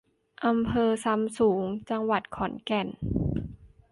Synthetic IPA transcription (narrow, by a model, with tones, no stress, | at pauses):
ʔa˧mpʰɤː˧sa˧msuː˩˦ŋt͡ɕa˧ŋwa˨˩t̪̚kʰɔ˩˦nkɛ˨˩n